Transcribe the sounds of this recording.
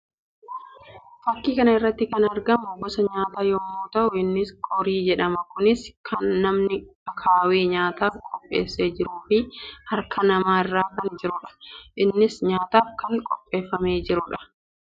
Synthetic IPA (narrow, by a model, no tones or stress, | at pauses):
fɐkːiːkɐnɐɪrːɐt̪ːɪkɐnɐɾɡɐmʊbɔsɐɲaːt̪aːjɔmːoːt̪ɐʔʊɪnːɪskɔɾiːd͡ʒɛᶑɐmɐkʊnɪskʰɐnːɐmnɪɐkʰaːweːɲaːt̪aːfkʼɔpʼːe̞̰ːsːeːd͡ʒɪɾuːfɪhɐɾkʰɐnɐmaːɪrːaːkɐnd͡ʒɪɾʊᶑɐ̥ʔɪnːɪsɲaːt̪aːfkɐŋkʼɔpʼːe̞ːfːɐme̞ːd͡ʒɪɾʊᶑɐ̥